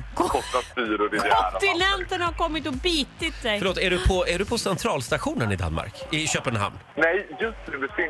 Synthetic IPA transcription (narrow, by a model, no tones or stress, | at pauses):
kʰkʰɔsaspyːɾʊɾɪkd̪ɔæt̪ɪnɛnt̪ənhaɾkɔmːɪt̪ɔbiːt̪ɪt̪sɛjfœɭoːt̪æɖɵpʰɔæɖɵpʰɔsɛnt̪ʰɾɑːlst̪aɧuːnənɪd̪a̰nma̰ɾkɪɕøːpənɦa̰mnnɛjjɵst̪nʉvɪsɪ